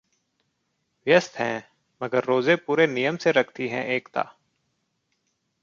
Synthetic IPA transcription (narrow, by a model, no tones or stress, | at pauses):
ʋjəst̪ɦɛ̃ː | məɡəɾːoːzepuːɾenijəmseɾəkʰt̪iɦɛ̰̃ʔeːkt̪a̰ː